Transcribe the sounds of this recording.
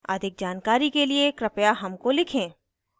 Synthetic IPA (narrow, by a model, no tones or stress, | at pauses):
ɐd̪ʱɪk̚d͡ʒaːnkaːɾikeliekɾɐpjaɦɐmkolɪkʰẽː